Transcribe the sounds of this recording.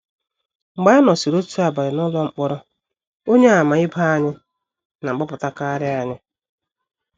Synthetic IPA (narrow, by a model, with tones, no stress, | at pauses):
ŋ͡m̩˨ɡ͡ba˨˦a˦nɔ˨si˨ɾo˦tu˦a˨ba˨ɾɪ˨nɔ˦lɔ˦ŋ͡m̩˦k͡pɔ˦ɾɔ˦ | o˦ɲe˦a˨ma˨ɪ˦ba˦a˦ɲɪ˦ | na˨ŋ͡m̩˨ɡ͡bɔ˦pʊ˨ta˦ka˦ɾɪ˦a˨ɲɪ˦